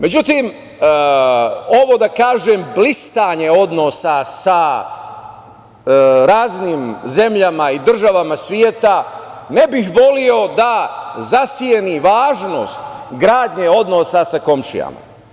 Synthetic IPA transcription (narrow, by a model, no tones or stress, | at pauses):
me̞d͡ʑut̪im | o̞ʋo̞d̪akaːʒeːmblist̪aɲe̞o̞d̪no̞sasa | ɾaːzniːmze̞mʎamaid̪r̩ʒaʋamasʋjet̪ane̞bixʋo̞lio̞d̪azasieniʋaːʒnoːst̪ɡɾaːd̪ɲeo̞d̪no̞sasako̞mʃḭja̰ma̰